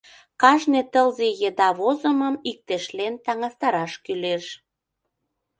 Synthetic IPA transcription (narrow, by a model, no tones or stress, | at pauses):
kɑʒnet̪əlzejed̪ɑβozəməmik̚t̪eʃlent̪ɑŋɑst̪ɑɾɑʃkyleʃ